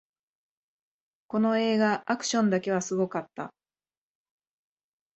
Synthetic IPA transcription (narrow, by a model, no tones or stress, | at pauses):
ko̞no̞e̞ːɡaʔːkɯ̟̥ɕõ̞nd̪ake̞β̞asɨɡo̞kat̪ːa̰